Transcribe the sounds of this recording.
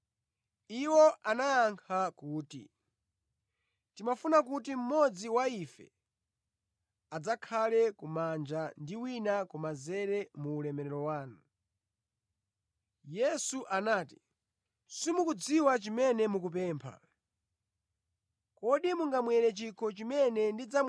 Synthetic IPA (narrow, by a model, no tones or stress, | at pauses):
iwɔʔanajaŋkʰakuːtḭ | timafunak̬ut̬im̩mɔd͡ziwaifɛ̰ | ad͡zakʰalɛkumand͡ʒandiwinakɔmazɛɾɛmuːlɛmɛɾɛɾɔwaːnu | jɛsuʔanaːti̥ | simukud͡ziwat͡ʃimɛnɛmukup̬ɛːmpʰa̰ | kɔɗimuŋɡamwɛɾɛt͡ʃikʰɔt͡ʃimɛnɛndid͡zam